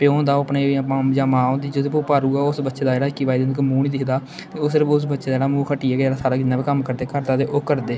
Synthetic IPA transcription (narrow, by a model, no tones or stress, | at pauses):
peːõːd̪aːoːəpneːiapãːd͡ʒaːmãːõːd̪iːd͡ʒɪt̪epuːpaːɾuːaːʊsbətːʃeːd̪aːd͡ʒeːɽaːɪkːiːʋaːid̪enkəmuːniːd̪ɪkʰd̪aː | t̪eːoːsɪɾəpʊs̬bətːʃeːd̪aːeɽaːmũːkʰəʈiːɛːɡeeːɽaːsaːɾaːkɪnːãːbikəmkəɾd̪eːkəɾt̪aːd̪eːʔoːkəɾd̪eː